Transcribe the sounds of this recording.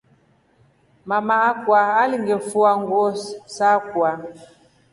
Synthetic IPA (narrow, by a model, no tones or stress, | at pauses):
mamaakwaaliŋɡɛfuaŋɡɔsakwa